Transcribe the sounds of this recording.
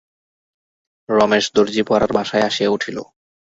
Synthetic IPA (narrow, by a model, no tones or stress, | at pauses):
ɾɔmeʃd̪oɾd͡ʑipaɾaɾbaʃaeaʃieuʈʰilo̰